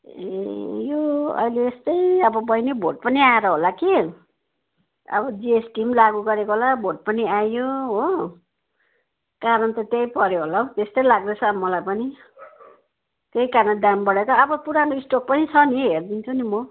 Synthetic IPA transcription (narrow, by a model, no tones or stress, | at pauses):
ḛjoʌ̰jleːst̪ʌjʌbʌbʌjnebʱoʈ̚pʌniaeɾʌɦolaki | ʌ̰bʌd͡ziesʈimlaɡuɡʌɾekoɦolabʱoʈ̚pʌniajoɦo | kaɾʌnt̪ʌt̪jejpʌɾjoɦolaɦot̪est̪ʌjlaɡ̚dʌt͡sʰʌmʌlajpʌni | t̪ejkarnʌɖambʌɽekʌʌbʌpuɾanoisʈok̚pʌnit͡sʰʌniɦerd̪int͡sʰunimʌ